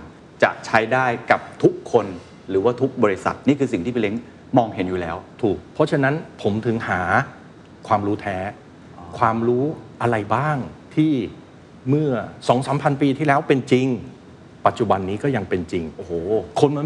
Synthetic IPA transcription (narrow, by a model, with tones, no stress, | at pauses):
t͡ɕa̰˨˩ʔt͡ɕʰa˦˥jdaː˥˩jka˨˩p̚t̪ʰu˦˥kʰːo˧n | ɾɯː˩˦waː˥˩t̪ʰu˦˥k̚bɔː˧ɾi˦˥sa̰˨˩t̪̚niː˥˩kʰɯː˧s̬i˨˩ŋt̪i˥˩pʰle˦˥ŋ | mɔː˧ŋhe˩˦njuː˨˩lɛ̰ː˦˥wt̪ʰuː˨˩k̚pʰːɔ˦˥t͡ɕʰa˧na˦˥npʰo˩˦mt̪ʰɯ˩˦ŋhaː˩˦ | kʰwaː˧mɾuː˦˥t̪ʰɛː˦˥ | kʰwaː˧mɾuː˦˥ʔa˧ɾa˧jbaː˥˩ŋt̪ʰiː˥˩ | mɯ˥˩ɐsɔː˩˦ŋsaː˩˦mpʰa˧npiː˧t̪ʰiː˥˩lɛː˦˥wpe˧nt͡ɕi˧ŋ | pa˨˩t̪̚t͡ɕu˨˩ba˧nːiː˦˥kɔː˥˩ja˧ŋpe˧nt͡ɕi˧ŋʔo˨˩kʰo˧nma˧